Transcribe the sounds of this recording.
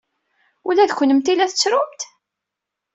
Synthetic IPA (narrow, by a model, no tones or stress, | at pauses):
ulæðçʷnəmt̪ilæθət͡sːɾʊmt̪